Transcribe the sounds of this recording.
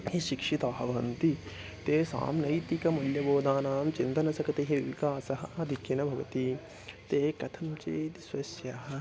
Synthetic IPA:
hiʃikʂit̪aːɦɐʋɐnt̪i | t̪eːsa̰ːmnɐjt̪ikɐmɐljɐboːd̪ʱaːnaːmt͡ʃind̪ɐnɐsɐkɐt̪eɦɐʋḭkaːsɐɦɐ̆ad̪ʱikjɐnɐbʱɐʋɐt̪i | t̪eːkɐt̪ʰɐmt͡ʃeːt̪isʋɐsjɐɦɐ̆

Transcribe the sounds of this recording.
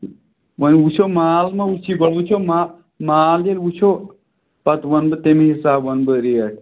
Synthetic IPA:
wənut͡ʃʰomaːlmɐut͡ʃʰiɡɐɽut͡ʃʰoma | maːld͡ʒelut͡ʃʰo | pɐt̪wɐnbɨt̪emiɦisaːbʋɐnbɨɾijə

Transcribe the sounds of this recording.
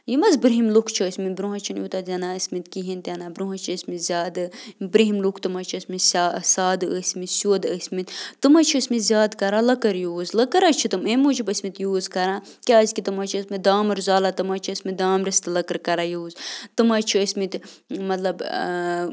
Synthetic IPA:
jimɐzbɾɦimlukʰt͡ʃʰiəsʲmit̪bɾuɦɐt͡ʃʰinjuːt̪at̪ʲɐnaːəsʲmit̪kiɦint̪ʲanabɾuɦɐ̃t͡ʃʰisʲmit̪zʲaːd̪ɨbɾiɦimlukʰt̪ɨmɐt͡ʃʰiɐsʲmissaːd̪ɨəsʲmit̪sʲud̪əsʲmit̪ʲt̪ɨmat͡ʃʰiəsʲmit̪zʲjaːd̪kɐɾalɐkɐɾjuːzlɐkɐɾat͡ʃʰit̪ɨmemut͡ʃʰibɐsʲmit̪juːzkɐɾãː | kʲaːzʲkit̪ɨmɐt͡ʃʰiəsmit̪̚d̪aːmɐɾzaːlat̪ɨmat͡ʃʰiəsʲmid̪aːmɾɐst̪ɨlɐkɐɾkɐɾaːjuːzt̪ɨmat͡ʃʰiəsʲmit̪ | mɐt̪lɐb

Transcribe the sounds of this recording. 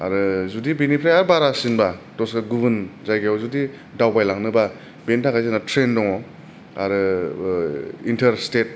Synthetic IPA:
a̰ɾɯzudibinipʰɾajaɾbaɾasinbatɔsɡaɡubɯnzajɡawzudi | dawbajlaŋnɯba | bentakajzanatʰɾendɔŋɔ | aɾɯ | intʰɐɾstet̚

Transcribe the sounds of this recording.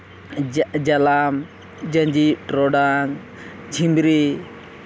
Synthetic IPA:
d͡ʒalam | d͡ʒə̃ɲd͡ʒiʈɾɔɖaŋ | d͡ʒʰimbɾi

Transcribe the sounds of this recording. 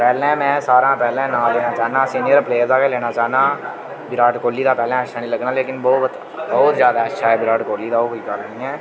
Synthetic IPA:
pɛːlɛ̃ːmɛ̃ːsaːɾãːpɛːlɛ̃ːnãːlɛːnaːt͡ʃaːnãːəsĩːniəɾpleːəɾzaːkeːlɛːɽ̃aːt͡ʃaːnãː | bɪɾaːʈkoːlːiːd̪aːpɛːlɛ̃ːət͡ʃːʃʰaːnĩːləɡnaːleːkɪnbɔːt̪ | bɔːt̪zjaːd̪aːətːʃʰaːɦɛːbɪɾaːʈkoːliːd̪aːoːkoiːkəɾnĩːɛː

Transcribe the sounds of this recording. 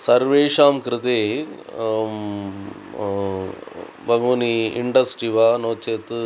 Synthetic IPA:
sɐɾʋeːʂaːmkɾɪt̪eː | bɐŋoːniiɳɖɐsʈiʋaːnoːt͡ʃeːt̪

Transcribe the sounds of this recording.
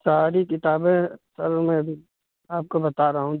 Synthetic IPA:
saːɾikɪt̪aːbẽsɐɾmɛ̃ɐbʱi | aːp̚kobɐt̪aːɾɐɦaɦũ

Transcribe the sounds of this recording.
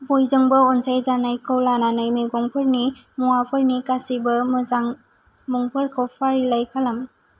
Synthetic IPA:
bojzɯŋbɯɔnsajzanajkʰɯwlananajmeɡɔŋpʰɯɾni | muapʰɯɾnikasibɐmɯzaŋ | muŋpʰɯɾkʰɯwpʰaɾilajkʰalam

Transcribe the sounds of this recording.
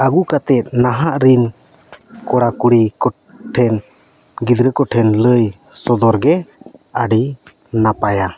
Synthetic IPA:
aɡukat̪ɛt̪̚ˀnaɦaʔɾin | kɔɽakuɽikɔ | ʈʰɛn | ɡid̪ɾəkɔʈʰɛnləj | sɔd̪ɔɾɡɛaɖi | napaja

